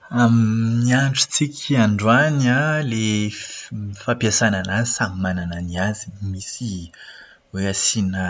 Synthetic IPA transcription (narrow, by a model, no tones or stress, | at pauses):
amniaɳʈ͡ʂu̥t͡sikʲʰaɳɖ͡ʐuanale | mifapjasananazsamimanananiazimisi | weasina